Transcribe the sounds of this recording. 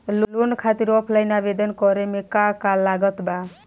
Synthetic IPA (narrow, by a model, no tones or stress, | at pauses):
llonkʰat̪iɾɔpʰlajnabed̪ənkɔɾemekakalːaɡət̪ba